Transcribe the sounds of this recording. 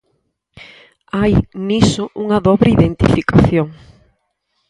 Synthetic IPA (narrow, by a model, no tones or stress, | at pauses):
ajnisʊʔuŋɐðɔβɾeiðent̪ḭfikaθjoŋ